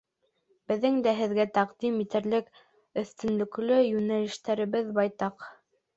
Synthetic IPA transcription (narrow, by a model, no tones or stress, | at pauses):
b̥ɘ̆ðːɘŋd̪æɦɘ̆ðɡæt̪ɑqd̪imit̪ɘ̆ɾlɘk | ɵ̆θt̪ɵ̆nlɵ̆klɵjʉnælɘ̆ʃt̪æɾɘ̆βɘðbɑjt̪ɑq